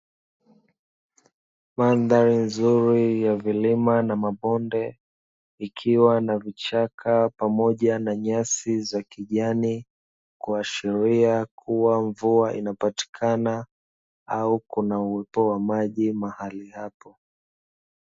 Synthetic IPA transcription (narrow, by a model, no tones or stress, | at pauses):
manðaɾinzuɾijavilimanamaɓɔndɛ | ikʰiwanavit͡ʃakʰapamɔʄanaɲasizakiʄani | kuaʃiɾiakʰuwaɱvuaʔinapati̥kʰana | aukunauwɛpɔwamaʄimahalihapɔ